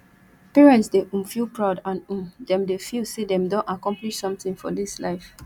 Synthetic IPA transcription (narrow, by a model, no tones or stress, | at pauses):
pɛɹɛ̃ntsdeʔũmfilˠpɹaʊdãnũmdɛ̃mdefilsedɛ̃mdɔ̃nakɔ̃mpliʃsɔ̃mtĩŋfɔ̰dislaɪf